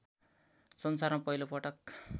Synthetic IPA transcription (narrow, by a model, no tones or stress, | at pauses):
sʌnsarmapʌilopʌʈʌk